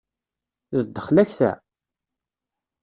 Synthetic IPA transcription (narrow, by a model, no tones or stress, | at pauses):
zəd̪ːə̥χlæçθæ̰